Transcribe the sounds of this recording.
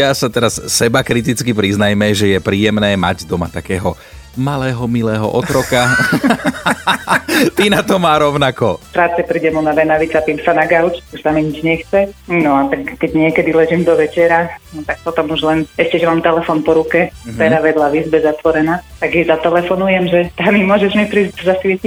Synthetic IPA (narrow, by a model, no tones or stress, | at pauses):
jasat̪ɛɾassɛbakɾit̪̬it͡skipɾiznajmɛʒɛjɛpɾiːjɛmnɛːma̰ɟd̪ɔma̰t̪akɛːɦɔ | malɛːɦɔmilɛːɦɔ̰ʔɔt̪ɾɔka | t̪inat̪ɔmaːɾɔʊnakɔt̪ɾaːt͡sɛpɾiːɟɛmunadɛnaʋit͡sat̪iːmsanaɡaʊt͡ʃuʃsamiɲid͡ʒɲɛxt͡sɛnɔat̪akːɛɟɲɪɛkɛd̪ilɛʒiːmd̪ɔʋɛt͡ʃɛɾanɔt̪ak̚pɔt̪ɔmuʒlɛnɛʃcɛʒɛmaːmt̪ɛlɛfɔnpɔɾukɛɛd̪aʋɛd̪laʋizbɛzat̪ʋɔɾɛnaːt̪aɡjɛzat̪ɛlɛfɔnujɛmʒɛt̪amimʊɔʒɛʒmipɾiːzɟzasʋɪɛcic